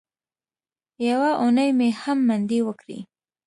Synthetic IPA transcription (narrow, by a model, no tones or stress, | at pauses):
jawaʔonəjmehamːand̪iwəkɽḭ